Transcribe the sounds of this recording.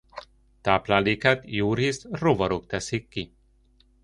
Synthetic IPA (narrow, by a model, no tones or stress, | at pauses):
t̪aːplaːleːkat̪juːɾiːsrovɒɾok̚t̪ɛsikːi